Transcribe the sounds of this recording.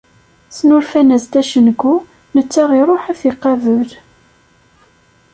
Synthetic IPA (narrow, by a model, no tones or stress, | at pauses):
snʊɾfænæzd̪æʃənkːu | nət͡sːaʁiɾˤoħæθiqːɑvəl